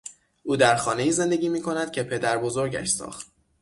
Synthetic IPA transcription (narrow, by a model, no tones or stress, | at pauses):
ʔuːd̪æɾxɒːne̞iːze̞nd̪e̞ɟʲiːmiːkʰo̞næd̪̥̚cʰe̞pʰe̞d̪æɾbozoɾɟæ̰ʃsɒ̰ːxt̪